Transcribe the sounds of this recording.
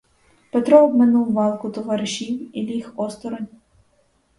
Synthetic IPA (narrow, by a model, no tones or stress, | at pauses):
pet̪ɾɔɔb̚menuwʋɑlˠkʊt̪ɔʋɑɾɪʃiwilʲixɔst̪ɔɾɔnʲ